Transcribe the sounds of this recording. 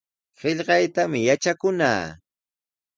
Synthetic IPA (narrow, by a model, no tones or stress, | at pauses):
ɢeʎɢɑjt̪amɪjat͡ʃakʊna̰ː